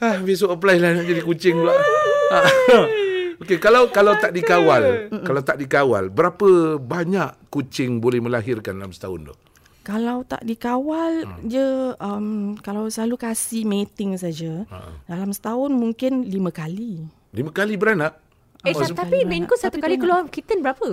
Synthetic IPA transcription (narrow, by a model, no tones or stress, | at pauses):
ahbis̬oʔəplailanaʔd͡ʒadikut͡ʃɪŋdaʔa | okekalawkalawt̪aʔdikawalkalawt̪aʔdikawa̰lbəɾapəbaɲaʔkːut͡ʃɪŋbolɛhmə̃laɦɪrkandalamsə̥t̪a̰ʊ̰ndʊ̰h | kalawt̪a̰ʔdikawald͡ʒəəmkalawsəlalukasimet̪ɪŋsad͡ʒədalamsə̥t̪aʊnmuŋkɪnliməkali | limə̃kalibəɾanaʔ | eat̪apimenkʊsat̪ukalikəluakit̪ənbəɾapə